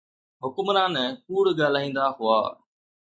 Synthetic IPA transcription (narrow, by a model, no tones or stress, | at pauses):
ɦʊkmɾãːnɛkuːɽɠaːl̤aːĩːn̆d̪aɦʊa̰ː